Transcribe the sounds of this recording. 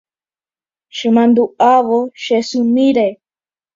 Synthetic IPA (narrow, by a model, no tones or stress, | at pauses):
ʃɨmand̪uaβoʃesumiɾaj